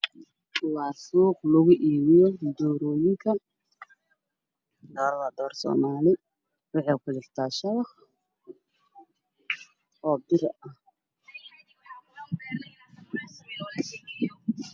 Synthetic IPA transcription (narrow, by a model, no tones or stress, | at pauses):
wɑːsuːqlʊɣʊʔiːβɪjɔd̪ɔːɾɔːjɪŋkʰɐ | d̪ɔːɾɐðɐd̪ɔːrsɔ̰ːmaːlɪ | wɑħɛːkʰʊdɪrt̪ʰaːʃɐβɑh | ɔːbɪɾɐh